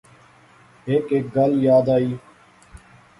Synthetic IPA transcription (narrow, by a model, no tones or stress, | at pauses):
ɦeːkeːk̚ɡəljaːd̪aːiː